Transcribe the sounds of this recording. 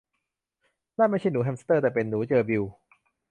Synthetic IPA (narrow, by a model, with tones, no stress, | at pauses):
naː˥˩ma˥˩jt͡ɕʰa˥˩jnuː˩˦ɦʰɛː˧mst̪ɤː˥˩t̪ɛː˨˩pe˧nːuː˩˦˥t͡ɕɤː˧bi˧w